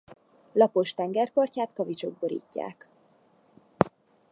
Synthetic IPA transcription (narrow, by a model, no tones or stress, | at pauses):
lɒpo̞ʃt̪ɛŋɡɛrporcaːt̪kɒvit͡ʃo̞ɡ̚boɾḭːcːa̰ːk